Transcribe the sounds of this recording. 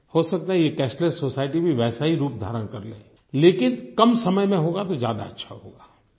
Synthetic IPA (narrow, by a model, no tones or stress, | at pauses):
hosɐk̚t̪aɦɛjekɛːʃʈlesoːsaːɪʈibʱiʋɛːsaɦiɾuːp̚d̪ʱa̰ːɾəɽkɐɾlḛ̃ː | leːkɪnkɐmsɐməjmẽɦoːɡat̪ozja̰ːd̪a̰ɐtːʃʰa̰ɦo̰ːɡaː